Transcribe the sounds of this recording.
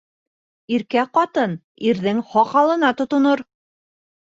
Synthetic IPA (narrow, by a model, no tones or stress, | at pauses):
iɾkæqɑt̪ɤn | iɾðɘŋhɑqɑlˠɤ̆nɑt̪ŏt̪ŏnoɾ